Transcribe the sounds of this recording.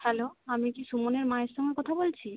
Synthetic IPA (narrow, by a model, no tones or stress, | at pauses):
hɛloamikiʃumoneɾmaeɾʃɔŋekɔt̪ʰabolt͡ɕʰi